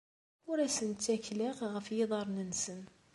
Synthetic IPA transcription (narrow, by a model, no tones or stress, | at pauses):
ʊɾæsənt͡sːækːlæqʁəfjeðˤɑɾˤnənsən